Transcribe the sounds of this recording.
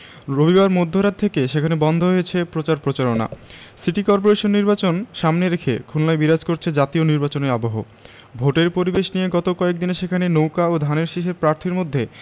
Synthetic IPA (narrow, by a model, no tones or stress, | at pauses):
ɾobibaɾmod̪ʱːoɾad̪̚t̪ʰekeʃekʰanebɔnd̪ʱoɦojet͡ɕʰepɾot͡ɕaɾpɾot͡ɕaɾona̰ | siʈikɔɾp̬oɾeʃonːiɾbat͡ɕonʃamneɾekʰḛkʰunlaebiɾad͡ʑkoɾt͡ɕʰed͡ʑat̪ioniɾbat͡ɕoneɾaboɦo | bʱoʈeɾpoɾibeʃnijeɡɔt̪okɔek̚d̪ineʃekʰanenowkaod̪ʱaneɾʃeʃeɾpɾaɾt̪ʰiɾmod̪ʱːe